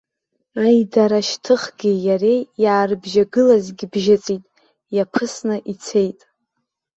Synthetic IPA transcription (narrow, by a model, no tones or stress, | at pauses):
ajdaɾaʃtʰɨχɡʲijaɾe̞jjaːrɨbʒaɡɨlazɡʲibʒat͡sʼitʼ | japʰɨsnɨʔit͡sʰe̞jtʼ